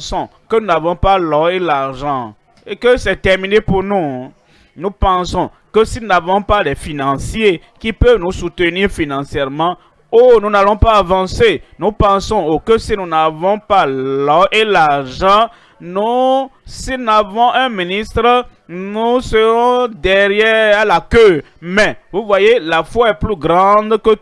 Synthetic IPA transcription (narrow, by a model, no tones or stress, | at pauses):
sɔ̃kənunavɔ̃palɔelaʁʒɑ̃ | ekəsɛt̪ɛʁminepuʁnu | nupɑ̃sɔ̃ | kəsinunavɔ̃palɛfinɑ̃sjje | kipøvnusut̪əniːʁfinɑ̃sjɛʁmɑ̃ | onunalɔ̃paːvɑ̃senupɑ̃sɔ̃okøsinunavɔ̃palɔelaʁʒɑ̃ | nu | sinavɔ̃ʔɛ̃minist̪ʁənusəʁɔ̃d̪ɛʁjɛalakø | mɛvuvwajelafwaɛplyɡʁɑ̃d̪kə